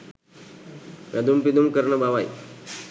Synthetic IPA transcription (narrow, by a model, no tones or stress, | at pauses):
ʋad̪umpid̪umkəɾɳəbaʋaj